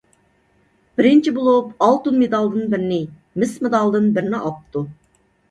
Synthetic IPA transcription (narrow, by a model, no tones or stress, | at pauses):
b̥ɪɾɪnt͡ʃʰibolˠupɑlˠt̪ɨnmed̪ɑlˠd̪ɨnbɪɾɪnɪ | mɪsmed̪ɑlˠd̪ɨnbɪɾɪnɪʔɑp̚t̪ʰu